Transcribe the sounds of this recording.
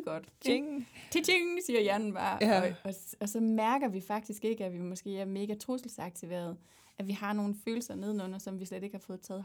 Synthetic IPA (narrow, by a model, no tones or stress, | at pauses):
ɡ̥ɒd̥ | t͡sʰeeŋsiːɐjæɐnn̩b̥ɑ̈ːɒ̽ɒ̽sɒ̽mæɐɡ̥ɐʋifɑ̈ɡ̥̚d̥isɡ̥e̝ɡ̥əæʋimɒ̽sɡ̥e̝̰ːæɐme̝ːɡ̥æt͡sʰʁosl̩sɑ̈ɡ̥̚t͡sʰiʋḛːɐð̞̩ˠ | ʔæʋihɑ̈no̝ːn̩fø̰ːl̩sɐne̝ð̞ˠnɔnɐsɒ̽mʋisled̥e̝ɡ̥hɑ̈fɔ̽ːð̩ˠt͡sʰɛ̰ːð̩ˠ